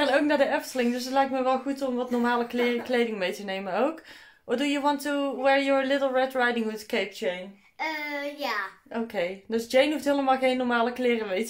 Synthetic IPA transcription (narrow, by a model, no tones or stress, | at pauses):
ɛnowknaːdəɛftəlɪŋdɵs̬ətlɛjk̚tməʋɛlˠɣutɔmʋɑtnɔɹmaːləkklejdɪŋmejtənejmənowk | ʋɑdujəʋɑntuwɛɹjɔɹlɪtl̩ˠɹɛtɹajdɪŋwuðkejp̚d͡ʒejn | jaʔowkejdøsd͡ʒejnɦuftɦeːləmaːlˠɣejnːɔɹmaːləklɪːrəmejt